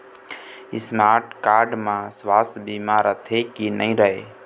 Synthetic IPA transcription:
ɪsmaːɾʈkaːɾɖmãːsʋaːsbiːmãːɾət̪ʰekinəĩːɾəɦeː

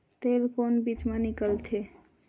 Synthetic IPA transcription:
t̪elkonbit͡ʃmenikəlt̪ʰe

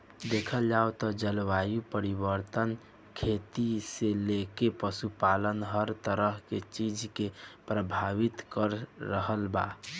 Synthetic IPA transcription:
d̪ekʰəld͡ʒaot̪ɔd͡ʒəlʋajupəɾibəɾt̪ən | kʰet̪iselekepəsupalənɦəɾt̪əɾəɦket͡ʃid͡ʒkepɾəbʱaʋit̪kəɾːəɦəlba̰

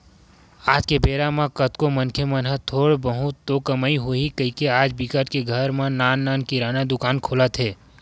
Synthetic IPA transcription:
aːd͡ʒkebeːɾamãkət̪komənkʰemənɦət̪ʰoːɽbəɦʊt̪ːokəmaiɦoikəɦikeaːd͡ʒbikəʈkeɡʱəɾmãnaːnːaːnkiɾaːnad̪ʊkaːnkʰoːlət̪ɦɛː

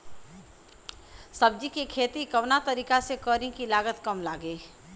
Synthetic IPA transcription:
sɐb̚d͡ʒikekʰeːt̪ikɐʋnat̪ɐɾiːkasekəːɾĩkilaːɡət̪kɐmlaːɡeː

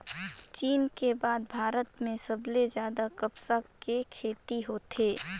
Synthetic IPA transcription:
t͡ʃiːnkebaːd̪̚bʱaːɾət̪mẽsəblezjaːd̪akəpsakkekʰeːt̪iɦoːt̪ʰeː

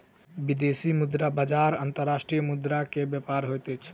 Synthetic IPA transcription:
bid̪esimud̪ɾabad͡ʒaɾənt̪əɾːasʈɾijəmud̪ɾakebjəpaɾɦojt̪ɛt͡ʃʰ

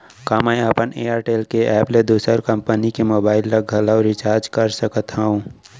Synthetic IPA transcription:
kamɛ̃jəpəneaːɾʈeːlkeʔɛːpled̪uːsəɾkəmpənikemoːbaːɪlːəɡʱəlaɾɪt͡ʃaːɾd͡ʒkəɾsəkət̪ɦaũ

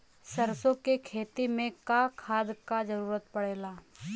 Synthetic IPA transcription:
sɐɾsõkekʰeːt̪imẽkakʰaːd̪kad͡ʒəɾuːɾət̪̚pɐɽeːlaː

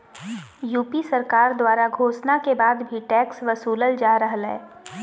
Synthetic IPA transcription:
juːpisɐɾkaːɾd̪waːɾaɡʱoːsnakebaːd̪bʱiʈɛːksʋɐsuːləld͡ʒaːɾəɦlɦɛ̰ː

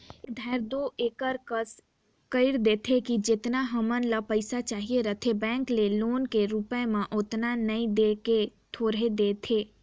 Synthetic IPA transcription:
d̪ʱɛːɾd̪oeːkəɾkəs | kəɪɾd̪eːt̪ʰekid͡ʒɪt̪naɦəmənləpəɪsat͡ʃaːɦieɾət̪ʰebɛ̃ːŋkleloːnkeɾupẽmẽʔʊt̪nanɐĩd̪eːket̪ʰoːɾed̪eːt̪ʰeː

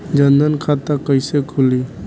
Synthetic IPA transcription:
d͡ʒənd̪ənkʰat̪akəjsekʰuli

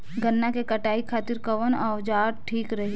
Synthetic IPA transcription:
ɡənːakekɐʈaːikʰaːt̪ɪɾkɐʋənaːʋd͡ʒaːɾʈʰiːkɾɐɦi

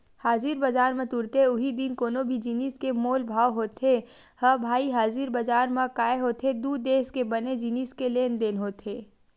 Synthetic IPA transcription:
haːziːɾbɐd͡ʒaːɾmẽt̪ʊɾt̪eʊɦid̪inkoːnobʱid͡ʒiːniskemoːlbʱaːwɦoːt̪ʰehəbʱaːiɦaːziːɾbɐd͡ʒaːɾmãkaːeɦoːt̪ʰed̪uːd̪eːskebɐned͡ʒiniːskeleːnd̪enɦoːt̪ʰeː

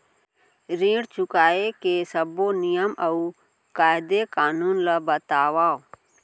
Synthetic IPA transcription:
ɾĩːɽt͡ʃʊkaːekesəbonɪjəmʔəuː | kaːɪd̪ekaːnuːnləbət̪aːʋaːo

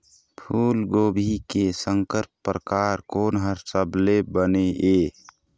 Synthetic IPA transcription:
pʰuːlɡoːbʱikesəŋkəɾpːɾəkaːɾkoːnɦəɾsəblebəneeː

